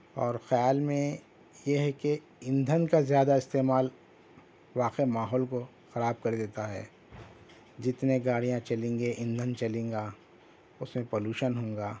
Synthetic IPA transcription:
ɔːɾxɐjaːlmẽ | jeɦɛke | ɪ̃nd̪ʱənkazjaːd̪aɪst̪eːmaːl | ʋaːqemaːɦɔːlko | xɐɾaːb̚kɐɾd̪eːt̪aɦɛ̰ː | d͡ʒɪt̪neɡaːɽijãt͡ʃɐlẽːŋɡeʔɪ̃nd̪ʱənt͡ʃɐlẽːŋɡaː | ʊsmẽpoːluːʃənɦõːŋɡaː

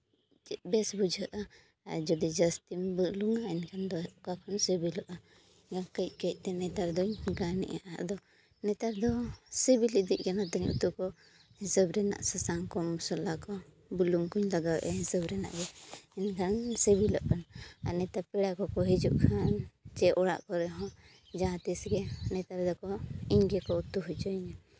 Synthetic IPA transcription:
t͡ʃɛt̪̚bɛsbud͡ʒʱəʔa | d͡ʒɔd̪id͡ʒəst̪imbluŋɡaɛnkʰand̪ɔkakʰɔnsəbilɔʔa | ɡakəc̚ˀkəc̚ˀt̪ɛnɛt̪aɾd̪ɔɲɡanɛ̰ʔaʔa̰ʔd̪ɔ | nɛt̪aɾd̪ɔsebilid̪iʔ̚kanat̪ɛɲṵt̪ukɔ | hisəbɾɛna̰ʔsasaŋkɔmusɔlːakɔ | buluŋkuɲlaɡawɛʔɛɦisəbɾɛna̰ʔɡɛɛnkʰansəbilɔ̰ʔkana̰nɛt̪apɛɽakɔkɔɦid͡ʒṵʔkʰant͡ʃɛʔɔɽa̰ʔkɔɾɛɦɔ̃ | d͡ʒãt̪isɡɛnɛt̪aɾd̪ɔkɔiɲɡɛkɔut̪uɦud͡ʒɔiɲa

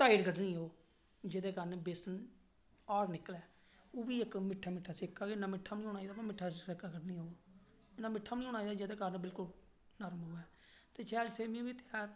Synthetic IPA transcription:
t̪aːiʈɡəʈnĩːɦoː | d͡ʒeːd̪eːkəɾnebesən | aːɾnɪklɛː | oːbiːɪkmɪʈʰːaːmɪʈʰːaːsɪkːaːɡenãːmɪʈʰːaːmnĩɦoːnaːiːd̪aːpəmɪʈʰːaːsɪkaːɡəɖnĩːɦoː | ɪnaːmɪʈʰːaːmnĩːoːnaːiːd̪aːd͡ʒeːd̪eːkəɾnbɪlkʊl | nəɾmɦʊːɛː | t̪eːt͡ʃʰɛːlseːmĩbiːt̪ɪjaːɾ

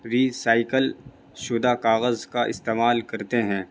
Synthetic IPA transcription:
ɾiːsaːɪkəl | ʃʊd̪akaːɣəzkaʔɪ̰st̪eːmaːlkɐɾt̪eɦɛ̃ː

